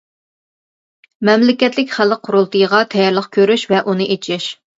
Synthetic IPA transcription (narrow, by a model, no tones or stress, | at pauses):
mɛmlɪkʲɛt̪lɪkʲχælqʰːʊɾʊlˠt̪ɨjʁɑt̪ʰɛjɑɾlˠəχkʲʰøɾyʃvɛʔunɨʔet͡ʃʰɪʃ